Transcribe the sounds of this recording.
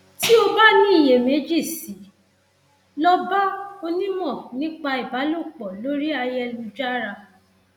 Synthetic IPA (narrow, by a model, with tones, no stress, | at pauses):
ti˦o˧ba˦nĩ˦i˦˨je˨me˨˦d͡ʒi˦˨si˨˦ | lɔ˦ba˦o˧nĩ˦mɔ̃˦˨nĩ˦k͡pa˧i˨ba˨˦lo˦˨k͡pɔ˨lo˨˦ɾi˦a˧jɛ˦lũ˧d͡ʒa˦ɾa˧